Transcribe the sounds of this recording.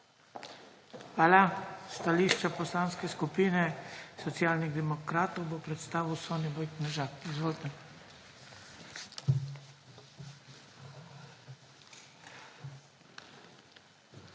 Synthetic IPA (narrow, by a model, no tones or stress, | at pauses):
xʋaːlast̪aliːʃt͡ʃapɔslaːnskɛskupiːnɛsɔt̪sjaːlniɣd̪ɛmɔkɾaːt̪ɔwbopɾɛt̪st̪aːʋiwsɔnibɔjknɛʒaːkizʋoːlt̪ɛ